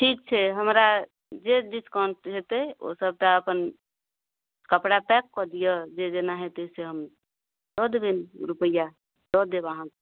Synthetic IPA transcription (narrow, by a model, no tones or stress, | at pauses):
ʈʰiːk̚t͡ʃʰɛɦəmɾa | d͡ʒeɖiskaɳʈɦet̪eo̰səb̚t̪aəpən | kəpɽapɛkːɔd̪ijəd͡ʒed͡ʒenaɦet̪eseɦəm | d̪ɔd̪benɾupəja | d̪ɔd̪ebaɦãk